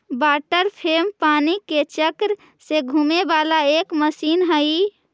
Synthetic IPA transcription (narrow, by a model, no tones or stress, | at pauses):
baːʈəɾpʰempaːniket͡ʃəkɾ | seɡʱumebaːlaeːkməsiːnɦəi